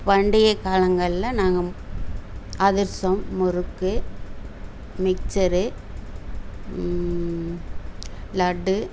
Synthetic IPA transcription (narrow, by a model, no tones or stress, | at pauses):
pɐɳɖɪjɐkaːlɐŋɡɐɭlɐnaːŋɡɐ | ɐðɪɾsɐmːʊɾɯkːɯ | mɪk̚t͡ʃɐɾɯ | lɐɖːɯ